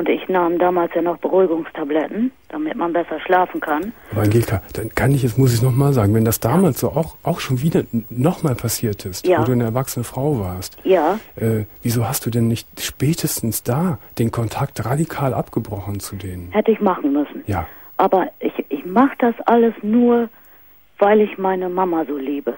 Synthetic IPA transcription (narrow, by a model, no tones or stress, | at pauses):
ʔʊntɪçnaːmdaːmaːlsjaːnɔχb̥əʁuɪɡʊŋstʰablɛtn̩d̥amɪtmanbɛsɐʃlaːfn̩kʰanaːbɐanɡeːlkʰad̥ankʰanɪçɛt͡smʊsɪçnɔχmaːlzaːɡŋ̩vɛndasd̥aːmaːlsz̥o̰ːʔaʊxʔaʊxʃoːnviːdɐnɔχmaːlpʰasiːɐtʰɪstvoːduːaɪnəɛɐvaksənəfʁ̥aʊvaːɐstjaːʔɛːviːzoːhastd̥uːdɛnːɪçtʃpɛːtʰəstn̩sd̥aːd̥eːnkʰɔntʰak̚tʁadikʰaːlʔapɡ̥əbʁɔχn̩t͡sudeːnənhɛtəɪçmaχn̩mʏsn̩jaː | ʔaːbɐʔɪçʔɪçmaχəd̥asʔaləsnuːɐ | vaɪlɪçmaɪnəmamazoːliːbə